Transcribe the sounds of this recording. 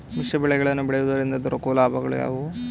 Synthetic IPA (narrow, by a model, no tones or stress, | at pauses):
miʂjɐbiɭeɣɐɭɐnːubiɭejud̪ɐɾind̪ɐd̪uɾɐkːulaːbʱɐɣɐ̰ɭṵja̰ːʋu